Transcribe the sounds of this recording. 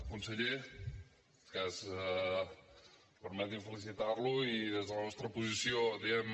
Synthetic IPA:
kunsəʎe | kasɛ | pəɾmɛt̪iɱfəlis̬it̪arluiðezðələnɔst̪ɾəpuzisiod̪iɛm

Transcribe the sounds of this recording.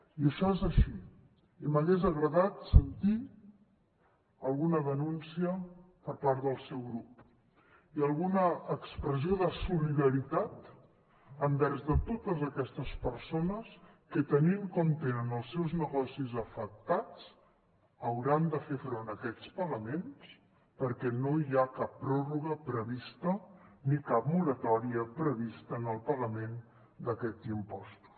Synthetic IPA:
iəʃɔezəʃi | iməɣezəɣɾəðat̪sənt̪i | əlˠɣunəðənunsiəpəɾpaɾðəlˠsɛwɣɾup | iəlˠɣunəːkspɾəzioðəsuliðəɾit̪at̪ | əmbɛɾzðət̪ot̪əzəkɛst̪əspəɾsonəs | kət̪əniŋkɔmt̪enənəlˠsːɛwznəɣɔsizəfək̚t̪at͡s | əwɾand̪əfefɾonəkɛt͡spəɣəmens | pəɾkɛnoiakapːɾɔruɣəpɾəβist̪ənikap̚mulət̪ɔɾiəpɾəβ̞ist̪ənəlˠpəɣəmen | d̪əkɛt̪impɔst̪u̥

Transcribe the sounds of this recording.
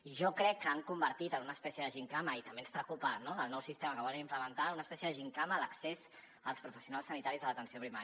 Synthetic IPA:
ʒɔkɾɛkːəaŋkumbəɾt̪it̪ənunəːspɛsjəðəʒiŋkaməit̪əmbenspɾəkupənoəlˠnɔwsist̪eməkəβɔlənimpləmənt̪aunəspɛsjəðəʒiŋkamələksez | əlˠspɾufəsijunalˠsənit̪aɾizələt̪ənsiopɾimaɾ

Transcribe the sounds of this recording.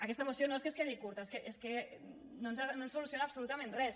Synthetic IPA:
akɛst̪aemosjonoes̬keskeðikuɾt̪aeskeʔeske | nonzanonsulusionapsulut̪amẽnrɛs

